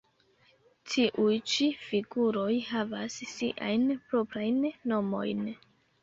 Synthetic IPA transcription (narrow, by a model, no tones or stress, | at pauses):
tʰiʔujt͡ʃifiɡuɾo̞jɦavasːiʔa̰jnpɾo̞pɾajnːo̞mo̞̰jn